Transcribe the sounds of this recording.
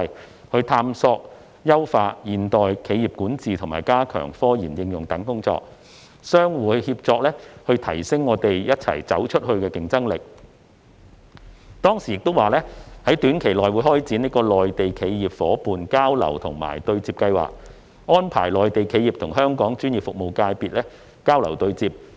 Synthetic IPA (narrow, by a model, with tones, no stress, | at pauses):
j | hɵ˧ɥt̪ʰaː˧msɔː˧k̚ | jɐ˥wfaː˧tjiː˨˩nt̪ɔː˨jkʰe˨˧jiː˨˩p̚kuː˨˥nt͡siː˨t̪ʰʊ˨˩ŋma̰ː˨˩jkaː˥kʰœ̰ː˨˩ŋfɔː˥jiː˨˩njɪ˧ŋjʊ˨ŋt̪ɐ˨˥ŋkʊ˥ŋt͡sɔ̰ː˧k̚ | sœː˥ŋwuː˨˩hiː˧p̚t͡sɔː˧k̚lɛː˥hɵ˧ɥt̪ʰɐ˨˩jsɪ˥ŋːɔː˨˧t̪e˨jjɐ˥t̚t͡sʰɐ̰˨˩jt͡sɐ̰˨˥wt͡ʃʰɵ˥t̚hɵ˧ɥkɛː˧kɪ˨˧ŋt͡sɐ˥ŋlɪ˨˩k̚ | t̪ɔː˥ŋsiː˨˩jɪ˨k̚t̪o˥waː˨˩lɛː˥hɐ˨˥jt̪yː˨˥nkʰe˨˩jlɔː˨jwuː˨˧jɦɔː˥jt͡siː˨˥niː˥kɔː˧lɔː˨jt̪e˨jkʰe˨˧jjiː˨p̚fɔː˨˥puː˨nkaː˥wlɐ̰˨˩wt̪ʰʊ̰˨˩ŋma̰ː˨˩jt̪ɵ˧ɥt͡siː˧p̚kɐ˧jwa̰ː˨˩k̚ː | ɔː˥npʰa̰ː˨˩jlɔː˨jt̪e˨jkʰe˨˧jiː˨˩p̚t̪ʰʊ˨˩ŋɦœː˥ŋkɔː˨˥ŋt͡ʃyː˥nji˨p̚fʊ˨k̚mo˨˩wkaː˧jpiː˨t̚lɛː˥ | kaː˥wlɐ˨˩wt̪ɵ˧ɥt͡siː˧p̚